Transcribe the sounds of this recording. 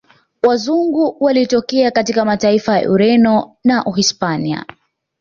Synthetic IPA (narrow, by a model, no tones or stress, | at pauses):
wazuŋɡuwalitɔkɛakatikamataifaja̰ʔṵɾɛnɔnaʔuɦispania̰